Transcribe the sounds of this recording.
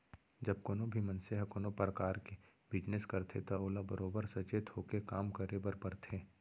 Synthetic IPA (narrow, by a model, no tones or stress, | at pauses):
d͡ʒɐb̚konobʱimɐ̃nseɦɐkonopɾəkaːɾke | bɪd͡ʒnɪskɐɾt̪ʰet̪aoːlabəɾʔoːbəɾsɐt͡ʃet̪ʰoːkekaːmkəɾebəɾpɐɾt̪ʰeː